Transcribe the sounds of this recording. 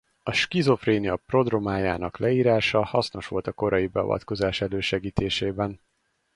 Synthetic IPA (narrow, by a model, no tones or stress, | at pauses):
ɒʃkizo̞freːnijɒpro̞d̪romaːjaːnɒklɛiːɾaːʃɒhɒsno̞ʃʋo̞̰lt̪ɒko̞ɾɒjibɛɒ̰vɒ̰t̪ko̞zaːʃɛløːʃɛɡiːt̪eːʃeːbɛn